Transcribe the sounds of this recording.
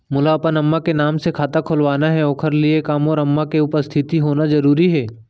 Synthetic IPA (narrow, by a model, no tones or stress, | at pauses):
mʊlaɐpənɐmːakenaːmsekʰaːt̪akʰʊlʋaːnaɦɛoːkʰəɾliekaːmɔːɾɐmːakeʊpəst̪ʰɪt̪iɦoːnazɐɾuːɾiɦɛː